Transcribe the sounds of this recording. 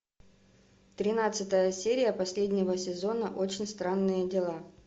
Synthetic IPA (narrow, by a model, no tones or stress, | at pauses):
t̪ɾʲɪnat̪sɨt̪əjəsʲeɾʲɪjəpɐsʲlʲedʲnʲɪvəsʲɪzo̞nəʔo̞t͡ɕɪnʲst̪ɾanːɨjədʲɪlˠa